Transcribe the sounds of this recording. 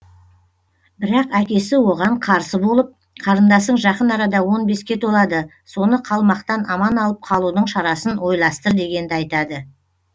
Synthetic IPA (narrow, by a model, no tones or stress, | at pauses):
bɪɾɑqækʲe̞sɪwo̞ʁɑɴqʰɑɾsəbo̞lˠəp̚ | qʰɑɾənd̪ɑsəɴʒɑqənɑɾɑd̪ɑwo̞nbe̞skʲe̞t̪ʰo̞lˠɑd̪ə | so̞nəqʰɑlˠmɑqt̪ɑnɑmɑnɑlˠəp̚qʰɑlˠud̪əɴʃɑɾɑsənwo̞jlˠɑst̪əɾd̪e̞ɡʲe̞nd̪ɪɑjt̪ɑd̪ə